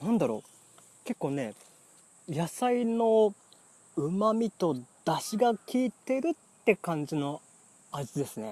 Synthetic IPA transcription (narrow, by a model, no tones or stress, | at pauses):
nãnd̪aɾo̞̰ː | ke̞kːo̞ːne̞ | jasaino̞ | ɯ̟mamʲit̪o̞d̪̥aɕiɡakʲiːt̪e̞ɾɯ̟t̪ːe̞kãɲ̟d͡ʑino̞ | azɨd̪e̞sɨne̞